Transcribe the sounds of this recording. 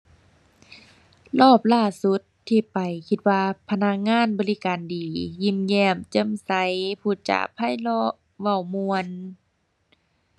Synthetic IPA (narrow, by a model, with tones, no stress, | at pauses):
lɔː˧˥˩p̚laː˧˩su˧˦t̪ʰːiː˧pa˨jkʰi˧t̪̚waː˧pʰa˧na˧k̚ŋaː˧˥˨nbɔː˨li˦˧˥kaː˨ndiː˨˩ji˧˥˨mjɛː˧˩mt͡ɕɤ˧˥˨msa˧˦jpʰuː˧˩t͡ɕa̰˧˩pʰːa˧˥˨jlɔ˧ | ʋa˧˩˨wmu˧ən